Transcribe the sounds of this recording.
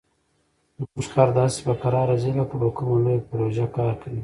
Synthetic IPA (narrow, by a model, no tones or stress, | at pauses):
ʊʃxaɾd̪ɑːsi̥bafaɾɑɾazilakabakumalojapɾoʒakɑːɾkawi